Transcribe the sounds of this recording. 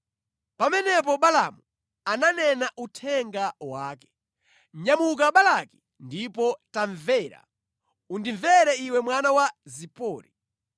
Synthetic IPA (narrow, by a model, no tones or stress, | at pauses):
pamɛnɛp̬ɔɓalamu | ananɛnaʔutʰɛŋɡawaːkɛ̥ | ɲamuk̬aɓalaki̥ | ndipɔtaɱvɛɾa̰ | undiɱvɛɾɛiwɛmwanawazipɔːɾi